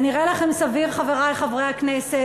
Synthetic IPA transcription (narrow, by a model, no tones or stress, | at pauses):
niʁelaχe̞msaviʁχaveʁajχavʁeaknese